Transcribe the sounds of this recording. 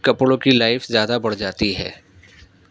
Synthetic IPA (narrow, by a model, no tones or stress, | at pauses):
kɐplõkilaːɪfzjaːd̪abɐɽ̤d͡ʒaːt̪iɦɛ̰ː